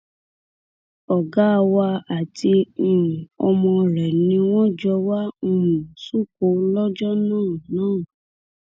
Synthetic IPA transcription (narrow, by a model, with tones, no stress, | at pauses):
ɔ˨ɡa˨˦˧wa˧a˨tʰi˧˦˨ũ˨ɔ˧mɔ̃˧ɾɛ˨nĩ˧˦w̃ɔ̃˦d͡ʒɔ˧wa˦˨ũ˨su˦˨ko˨˦lɔ˦d͡ʒɔ˦nãː˦˨nãː˦˨